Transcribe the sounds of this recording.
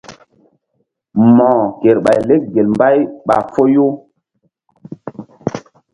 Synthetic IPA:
mɔ̃˨ke˨ɾɓa˨jle˦k̚ɡe˨lmba˦jɓa̰˨fo˦jo˦

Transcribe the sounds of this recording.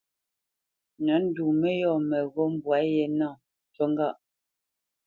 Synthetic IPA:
nɔ˨˦n̩˦du˨mɛ˦jɔ˦˨mɛ˨ɣo˦m̩˦bwa˨˦jɛ˨na˦˨ | to˦ŋ˦ɡa˦˨ʔ

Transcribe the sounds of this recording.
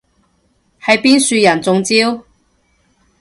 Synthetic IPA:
hɐ˨jpiː˥nsyː˧jɐ˨˩nt͡sʊ˨˧ŋt͡siː˥w

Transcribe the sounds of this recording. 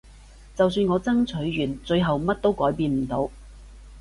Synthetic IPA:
t͡sɐ˨wsyː˧nŋɔː˨˧t͡sɐ˥ŋt͡sʰɵ˨˥ɥːyː˨˩nt͡sɵ˧ɥɦɐ˨wmɐ˥t̚t̪o˥wkɔː˨˥jpiː˧nm̩˨˩t̪o˨˧w

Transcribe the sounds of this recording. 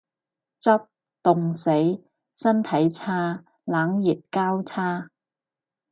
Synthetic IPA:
t͡sɐ˥p̚ | t̪ʊ˨ŋse˨˥j | sɐ˥nt̪ʰɐ˨˥jt͡sʰaː˥ | laː˨˥ŋji˨t̚kaː˥wt͡sʰaː˥

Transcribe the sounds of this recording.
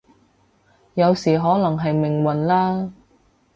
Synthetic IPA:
jɐ˨˧wsiː˨˩ɦɔː˨˥lɐ˨˩ŋɦɐ˨jmɪ˨˩ŋwɐ˨˩nlaː˥

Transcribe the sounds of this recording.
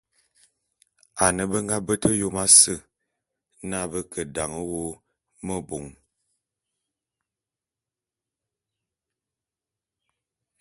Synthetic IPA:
a˨nə˨bə˦ŋɡa˦bə˦tə˦jo˦ma˦sə˦˨ | na˦bə˦kə˨da˨ŋə˦wo˦ | mə˦bo˨ŋ

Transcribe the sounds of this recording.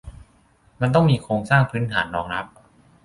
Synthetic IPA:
ma˧nt̪̬ɔ˥˩ŋmiː˧kʰɾoː˧ŋsaː˥˩ŋpʰɯ˦˥nt̪ʰaː˩˦nːɔː˧˩ŋɾa˦˥p̚

